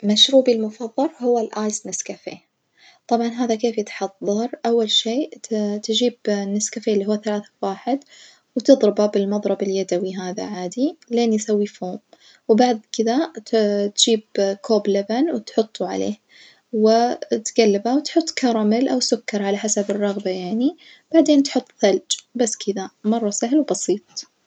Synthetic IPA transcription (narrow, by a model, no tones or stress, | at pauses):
maʃɾuːbilmʊfɑðˤːɑɾhʊwːalʔaːjsnɪskafḛ | t̪ˤɑbʕɑnɦaːðakeːfjɪt̪ħɑðˤːɑɾˤʔawːalʃeːt̪d͡ʒiːbnːɪskafelːiːɦʊwːaθalaːθḁwaːħɪd̪ | wt̪ɨðˤɾɪbabɪlmɑðˤɾˤɑbɪljad̪awiɦaːða̰ʕaːd̪ileːnjɪsawːifoːm | wbaʕd̪kɪðat̪t̪d͡ʒiːb̚kʰoːblabanwɪt̪ħʊt̪ˤːuʕa̰lḛːh | wɪt̪ɡalːɪbawt̪ħʊt̪ˤːkɑɾˤɑmɪlʔawsʊkːɑɾˤʕalaħasabɨrˤːɑɣbajaʕni | b̥aʕd̪eːnt̪ħʊt̪ːˤθald͡ʒbasːkʰɪðamɑrˤːɑsaɦlwbɑsiːt̪̚ˤ